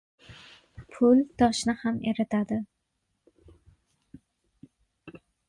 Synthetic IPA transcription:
pʰʊlt̪ɒʃnɪhameɾɪt̪ʰad̪ɪ

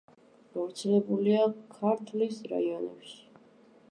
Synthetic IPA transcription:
ɡ̥avɾt̪sʰɛlɛbuliakʰaɾt̪ʰlisɾa̰iɔnɛ̰pʃi̥

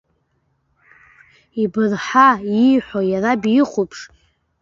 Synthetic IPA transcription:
ibɨrħajiħʷᶣojarabiχʷupʰʂ

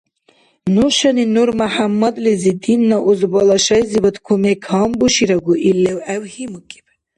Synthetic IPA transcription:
nuʃɐninuɾmaħamːɐd̪lizid̪inːaʔuzbɔlaʃajzibət̪kʰumɛkʰambuʃiɾaɡuʔilːɛwɛwhimukʼi̥b

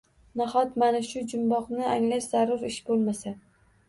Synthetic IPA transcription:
nahɒt̪manaʃʊd͡ʒʊmbɒqnɪaŋlaʃz̥aɾːʊɾɪʃbolˠmasa

